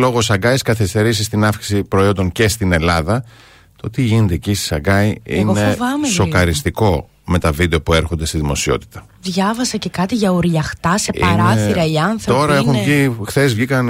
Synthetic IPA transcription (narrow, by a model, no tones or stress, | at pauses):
lo̞ɣosɐɡɐjskɐθist̪e̞ɾis̬ist̪inɐfksi̥sipɾo̞io̞nd̪o̞ŋce̞st̪ine̞lɐðɐ | t̪oot̪iʝined̪ecist̪i̥sɐɡɐiinɣoevɐmesokɐɾist̪iko̞ | me̞t̪ɐvid̪eo̞pueɾxo̞nd̪e̞st̪iðimo̞sio̞̰t̪i̥t̪ɐ | ðʝɐvɐsɐce̞kɐt̪iʝɐuɾʎɐxt̪ɐse̞pɐɾɐθiɾɐiɐnθɾɐo̞ɾɐexunvʝixθe̞zvʝikɐn